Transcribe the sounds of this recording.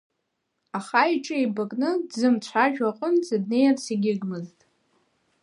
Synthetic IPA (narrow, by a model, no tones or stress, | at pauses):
aχaiʈ͡ʂʼɨejbakʼnɨdzɨmt͡ɕʷʰaʒᶣaqʼənt͡sʼadnejanseɡʲɪɡmɨztʼ